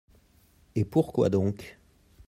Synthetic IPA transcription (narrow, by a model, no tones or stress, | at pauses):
epuʁkwa̰d̪ɔ̃k